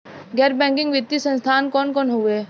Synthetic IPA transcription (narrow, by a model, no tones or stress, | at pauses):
ɡɛːɾbɛ̃ːŋkɪ̃ŋɡʋɪt̪ːisə̃nst̪ʰaːnkɔːnkɔːnɦueː